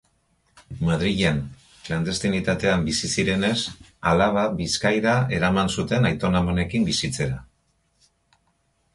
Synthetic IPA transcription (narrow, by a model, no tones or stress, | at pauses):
maðɾiʝen | kland̪e̞st̪init̪at̪e̞ambisisiɾe̞ne̞salaβ̞aβiskajðae̞ɾamansut̪e̞najt̪o̞namone̞kimbisit͡se̞ɾa